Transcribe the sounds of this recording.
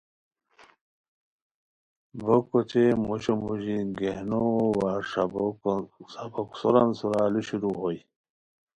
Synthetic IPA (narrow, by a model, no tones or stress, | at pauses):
bokot͡ɕemoɕomuʑiɡehnowaʂ | saboksoɾansuɾaluɕiɾuɦoj